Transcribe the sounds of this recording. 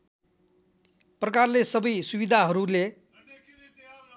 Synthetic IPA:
prʌkarlesʌbʌjsubid̪ʱaɦʌɾule

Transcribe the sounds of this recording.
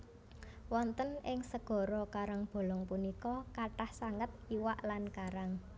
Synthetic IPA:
wɔnt̪ənʔɪŋsəɡ̥ɔ̤ɾɔkaɾaŋb̥o̤lɔŋpunikɔkaʈahsaŋət̪̚iwaʔlankaɾaŋ

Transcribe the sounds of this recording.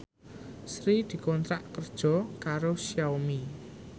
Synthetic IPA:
sɾid̪̥i̤kɔnt̪ɾaʔkərd̥ʒ̥ɔ̤kaɾosijawmi

